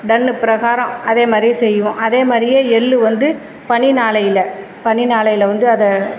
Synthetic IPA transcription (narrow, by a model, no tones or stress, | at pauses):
ɖɐnːɯpɪɾɐɣaːɾɐ̃mɐðeːmaːd̪ɾijesɛjːɯʋʊ̃ʔɐðeːmaːd̪ɾɪjeːɛlːɯʋɐnd̪ɯ | pɐɳinaːlɐjɪlɐ | pɐɳinaːlɐjɪlɐʋɐnd̪ɯɐðɐ